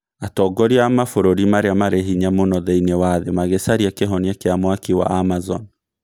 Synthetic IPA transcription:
atɔɡɔɾiaamafoɾoɾimaɾeamaɾeɦiɲamonɔðeinewaðemaɣesaɾiakeɦɔniakeamwakiwa̰ʔamazɔ̰n

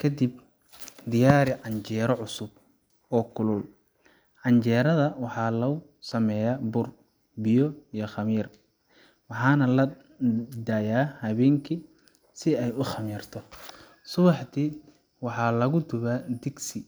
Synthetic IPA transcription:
kʰɐd̪ib̚ | d̪ɪjaːɾɪʕɑɲt͡ʃɛːɾɔʕʊsʊb̚ | ɔːkʰʊlʊl | ʕɑɲt͡ʃɛːɾɐðɐwɑħɑːlɐʊ | sɐmɛjaːbʊr | bɪjɔijɔχɑmiːr | wɑħɑːnɐlɐ | d̪ajaːhɐβɛːŋkʰi | sɪɛjʊχɐmiːrt̪ʰɔ | sʊβɑħt̪ʰiː | wɑħɑːlɐɣʊd̪ʊβaːd̪ɪɡsɪ

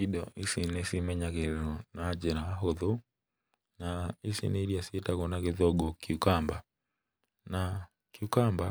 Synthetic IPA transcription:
iɗɔʔisinɛsimɛɲakeɾɛɾɔnad͡ʒɛɾaaɦɔðɔ | naisḭnɛiɾiasiɛtakɔnakeðɔɡɔkiukamba | na | kiukamba

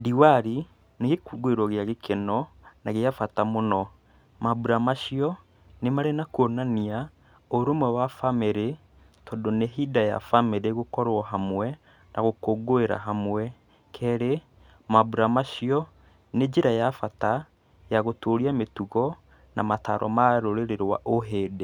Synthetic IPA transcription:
diwaɾi | neɣekuɡoeɾwɔɣeaɣekʰɛnɔnaɣeafatamonɔ | mabuɾamaʃiɔ | nemaɾenakuonania | oɾomwɛwafameɾe | tɔdoneɦidaja̰fameɾeɣokɔɾwɔɦamwɛ | nʔa̰ɣokoɡoeɾa̰ɦamwɛ | kʰɛɾe | mabuɾamaʃiɔ | ned͡ʒeɾajafata | jaɣotoːɾiametuɣɔ | namata̰ɾɔ̰maɾoɾeɾeɾwa̰ʔoɦeːde

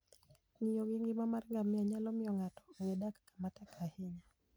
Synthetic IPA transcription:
ɲijɔwiŋɡimamaɾiŋɡamiaɲalɔmijɔŋatɔ̥jɛɗakḁkḁmatakʰahiɲa

